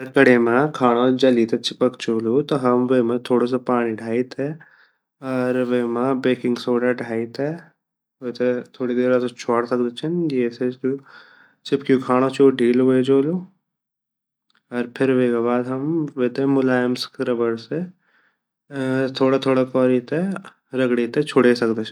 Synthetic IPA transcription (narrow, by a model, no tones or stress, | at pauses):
ɐɾkɐɽemãkʰaːɽ̃od͡ʒɐlit̪ʰet͡ʃɪpəkt͡ʃoːlut̪oɦɐmʋeːmãt̪ʰoːɽos̬epaːɽ̃ĩɖʱaːit̪ɛ | ɔːɾʋeːmabeːkɪ̃ŋɡsoːɖaɖʱaːit̪ɛ | ot̪ʰet̪ʰoːɽid̪eːɾasot͡ʃʰaːɽt̪ɐkd̪et͡ʃʰenjeːseku | t͡ʃɪpkjukʰaːɽ̃ot͡ʃʰuɖʱiːlʋoed͡ʒoːlu | ɔːɾpʰɪɾɦekebaːd̪ɦɐmʋeːt̪emʊlaːjmskɾɐbəɾse | t̪ʰoːɽat̪ʰoːɽakɔːɾit̪ʰe | ɾɐɡɽit̪et͡ʃʰʊɽesɐkd̪et͡ʃʰ